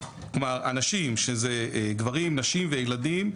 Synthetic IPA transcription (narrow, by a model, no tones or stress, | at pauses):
klomaʁanaʃimʃezeɡvaʁimnaʃimvejladim